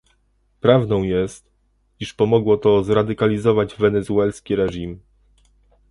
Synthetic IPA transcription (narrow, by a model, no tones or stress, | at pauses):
pɾavnɔ̃w̃jɛst̪ | iʂpɔmɔɡwɔt̪ɔzɾad̪ɘkalʲizɔvad͡ʑvɛnɛzuɛlskʲiɾɛʐim